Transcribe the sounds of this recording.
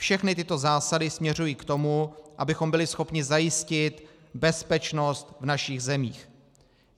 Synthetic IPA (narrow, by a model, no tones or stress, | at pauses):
fʃɛxnɪt̪ɪt̪o̞zaːsadɪsmɲɛrujiːkt̪o̞muʔa̰bɪxo̞mbɪlɪsxo̞pɲɪzajɪscɪt̪ | bɛspɛt͡ʃno̞st̪vnaʃɪɣzɛmiːx